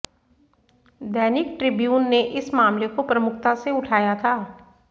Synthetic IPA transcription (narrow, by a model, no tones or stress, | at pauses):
d̪ɛːnɪk̚ʈɾɪbjuːnːeʔɪsmaːmlekopɾɐmʊkt̪aseʊʈʰaːjat̪ʰaː